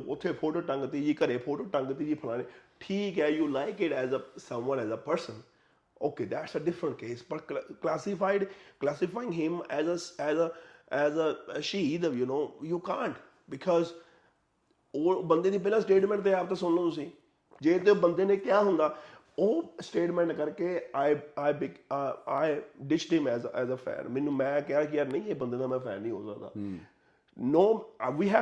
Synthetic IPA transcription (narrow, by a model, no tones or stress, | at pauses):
ʊt̪ʰːepʰoːʈəʈə̃ŋɡt̪id͡ʒiːkɐɾẽpʰoːʈəʈə̃ŋɡt̪id͡ʒiːpʰɐlãːneʈʰiːkɦɛjuːlaɪkɪʈɛzəsɐ̃mwə̃nɛzəpəɾsə̃n | oːkeːd̪æʈsəɖɪfɾə̃ɳʈ̚keːsbɐʈklæːsɪfaɪɖklæsɪfaːɪɪ̃ŋɡɦɪ̃mɛzəsɛzəɛzəʃiːd̪junoːjukãːɳʈ | bɪkʰɔːz | oːbə̃nd̪ẽːd̪iːpɛːlãːsʈeːʈmɛ̃ɳʈt̪eːaːp̚t̪ãːsʊnlõːt̪ʊs̬ĩː | d͡ʒeːt̪eoːbənd̪eːnẽːkɪjaːɦʊ̃nd̪aː | oːsʈeːʈmɛ̃ːɳʈkəɾkeːaːɪaːbɪaːɪɖɪʃʈhɪ̃mɛzɛzəfʰɛ̰̃ːnmɛːnũːmɛ̃ːkɛaːkɪəɾnə̃ĩːeːbənd̪eːd̪aːmɛ̃ːpʰɛ̰ːnːĩːɦo̰ːsə̰kd̪a̰ː | noːʋiːɦ